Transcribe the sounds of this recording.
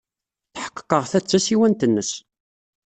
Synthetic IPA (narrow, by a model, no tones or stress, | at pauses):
θħə̥qːə̥qːəʁθæt͡sːæsiwænt̪ənːəs